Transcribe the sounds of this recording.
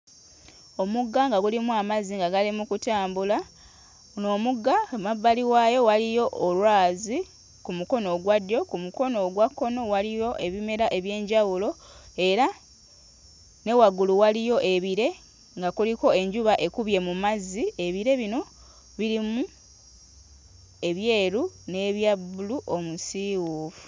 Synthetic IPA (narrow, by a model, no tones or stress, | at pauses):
o̞muɡːaŋɡaɡulimuamaziŋɡaɡalimukutaːmbula | no̞ːmuɡːamabːaliwajo̞walijo̞ʔːlwaːzi | kumuko̞no̞ɡwadjo̞kumuko̞no̞ɡwakːo̞no̞walijo̞ʔe̞βime̞ɾaʔe̞βje̞ːɲɟawulo̞ | e̞ɾa | ne̞waɡuluwalijo̞ʔe̞βiɾe̞ | ŋɡakuliko̞e̞ɲɟuβaʔe̞kuβje̞mumazie̞βiɾe̞βino̞ | βiɾimu | e̞βje̞ːɾune̞ːβjabuluʔo̞musiwuːfu̥